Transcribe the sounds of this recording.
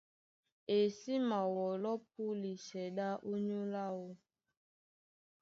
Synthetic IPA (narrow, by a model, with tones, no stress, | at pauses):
e˨si˦ma˨wɔ˨lɔ˦p̚u˦li˨sɛ˨ɗa˦ʔo˦ɲu˦la˦wo˦